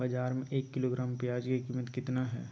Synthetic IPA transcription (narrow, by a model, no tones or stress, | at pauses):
bɐd͡ʒaːɾmẽʔeːkːɪloːɡɾaːmpjaːd͡ʒkikiːmət̪kɪt̪naɦɛ̰ː